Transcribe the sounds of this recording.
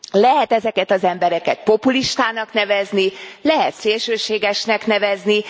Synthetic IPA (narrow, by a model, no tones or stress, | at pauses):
lɛɦɛt̪ɛzɛkɛt̪ɒzɛmbɛɾɛkɛt̪̚po̞puliʃt̪aːnɒknɛvɛznilɛɦɛt̪seːlʃøːʃeːɡɛʃnɛkn̪ɛvɛzni